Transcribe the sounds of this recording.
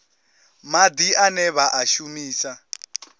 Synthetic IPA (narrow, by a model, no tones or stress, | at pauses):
mad̪iʔanɛβaʔaʃumiːsa